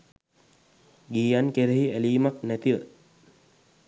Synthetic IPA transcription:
ɡiːjankeɾeɦiæliːmaknæt̪iʋə̰

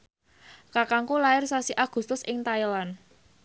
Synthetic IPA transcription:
kakaŋkulaɪrsasiʔaɡ̥ṳst̪ʊsɪŋt̪ajlan

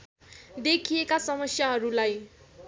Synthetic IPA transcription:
d̪ekʰijekasʌmʌsjaɦʌɾulaj

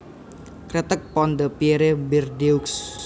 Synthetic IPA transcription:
kɾɛt̪ək̚pɔnd̪əpieɾebirdeuks

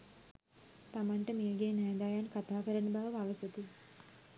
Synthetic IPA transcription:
t̪amanʈəmeːɡeːnajd̪ajankat̪aːkəɾənəbaʋəʋaʋəsət̪i

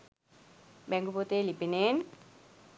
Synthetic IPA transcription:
bɛŋɡupot̪eːlipineːn

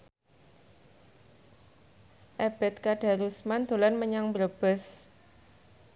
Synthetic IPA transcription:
ʔɛb̥ɛ̤t̪̚kaɖ̥a̤ɾusmand̪̥o̤lanməɲaŋbɾəb̥əs

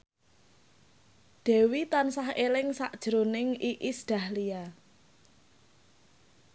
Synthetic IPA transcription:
dɖ̥ɛ̤wit̪ansahelɪŋsaʔd̥ʒ̥ɾonɪŋiʔisd̪̥ä̤hlija

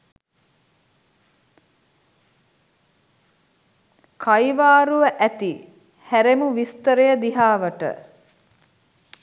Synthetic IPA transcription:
kʰajiʋaːɾuʋəʔæt̪i | hæɾemuʋist̪əɾejəd̪iɦaːʋəʈə̰

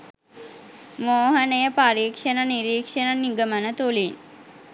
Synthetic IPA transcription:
moːɦənəjəpaɾiːkʂənəniɾiːkʂənəniɡəmənət̪ulin

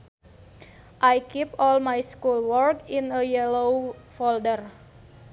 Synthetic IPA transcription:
ʔajkipɔlmajskulwɔrkinəjɛlowfoldər

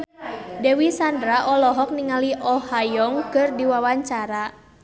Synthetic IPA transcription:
dɛwisandɾaʔɔlɔɦɔk̚niŋaliʔɔhajɔŋkɨrdiwawaɲt͡ʃaɾa

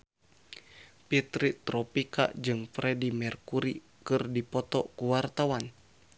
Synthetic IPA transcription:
pit̪ɾit̪ɾɔpika̰d͡ʒɨŋfɾɛdimɛrkuɾi | kɨrdipɔt̪ɔkuwart̪awan

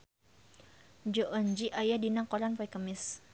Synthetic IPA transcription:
d͡ʒɔʔɔɲd͡ʒiʔajadinakɔɾanpaikəmɪs

